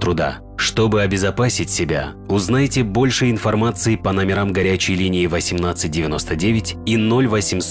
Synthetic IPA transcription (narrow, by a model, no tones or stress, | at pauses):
t̪ɾʊd̪a̰ | ʂt̪o̞bɨɐbʲɪzɐpasʲɪtʲsʲɪbʲa̰ | ʊznajtʲɪbo̞lʲʂɨɪnfɐrmat̪sɨɪpɐnɐmʲɪɾamɡɐɾʲæt͡ɕɪjlʲinʲɪːvəsʲɪmnat̪sɨt̚ʲdʲɪvʲɪno̞st̪ədʲevʲɪtʲino̞lʲvəsʲɪms